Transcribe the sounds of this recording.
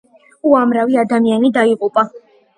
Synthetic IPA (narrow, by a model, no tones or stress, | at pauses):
uamɾaviad̪amianid̪aiqʼupʼa